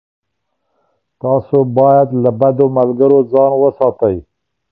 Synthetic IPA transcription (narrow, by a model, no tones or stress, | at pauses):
t̪ɑsobɑjad̪labad̪omalɡəɾod͡zɑnwəsɑt̪aj